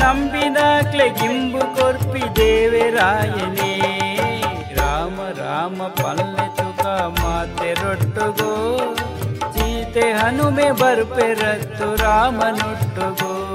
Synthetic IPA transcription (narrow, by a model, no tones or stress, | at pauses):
nɐmbinaːkleɡimbukoɾpid̪eːʋeɾaːjɐneː | ɾaːmɐɾa̰ːmɐpɐlːet̪ukɐmaːt̪ːeɾoʈːuɡo | t͡ʃiːt̪eɦɐnumebɐɾpeɾɐt̪ːuɾaːmɐnoʈːuɡo